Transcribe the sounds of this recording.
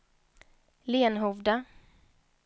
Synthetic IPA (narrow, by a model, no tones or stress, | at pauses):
leːnɦʊvd̪a